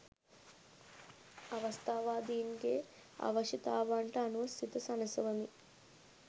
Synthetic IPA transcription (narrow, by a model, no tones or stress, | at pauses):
ɐʋɐst̪aːʋaːd̪iːnɡeː | ɐ̰ʋɐʃit̪aːʋaːɳʈɐːnuʋɐst̪ʰit̪ɐsɐnɐsɐʋɐmi